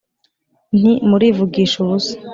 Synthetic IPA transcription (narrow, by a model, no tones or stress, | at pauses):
n̥imuɾiːvuɡiːʃousḁ